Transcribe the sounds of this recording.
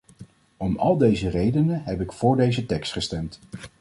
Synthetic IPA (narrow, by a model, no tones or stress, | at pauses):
ɔmɑ̰lˠdejzərejdənəɦɛpɪkfʊːɹdejzətɛkstχəstɛmt